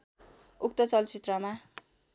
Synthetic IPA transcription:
ukt̪ʌt͡sʌlt͡sit̪rʌma

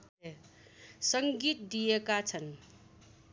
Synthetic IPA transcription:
e | səŋɡit̪̚d̪ijekat͡sʰən

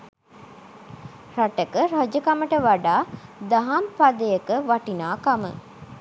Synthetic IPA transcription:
raʈəkəɾad͡ʒəkaməʈəʋaɖaːd̪aɦampad̪əjəkəʋaʈinaːkamə̰

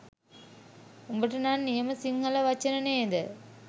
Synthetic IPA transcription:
umbɐʈːɯnaːnnijɐmɐsiŋɡɐlɐʋɐt͡ʃːɐnɐneːd̪ɯ

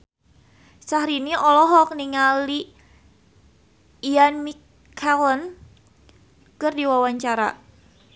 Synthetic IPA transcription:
sahɾiniʔɔlɔɦɔk̚niŋali | anmi | kʰalɔn | kərdiwawaɲt͡ʃaɾa̰

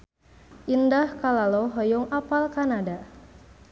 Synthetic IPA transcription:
ʔindahkalalɔɦɔjɔŋapalkanada

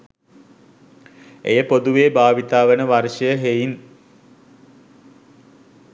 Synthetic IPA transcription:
ḛjəpod̪uʋeːbaːʋit̪aːʋənəʋarʂəjəɦejin

